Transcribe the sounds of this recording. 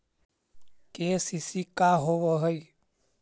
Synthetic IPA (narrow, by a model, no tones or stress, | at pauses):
kesisikaɦoʋəɦəi